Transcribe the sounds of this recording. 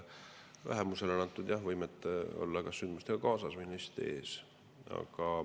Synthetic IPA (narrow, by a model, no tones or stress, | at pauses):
væ̰ɦemuse̞lenɑnt̪ːˑud̪jɑhvɤjmet̪ːˑo̞̰lːɑkɑsːynd̪̥must̪eɡ̥ɑkɑːsɑsminːist̪ḛːs | ɑ̰ɡ̥ɑ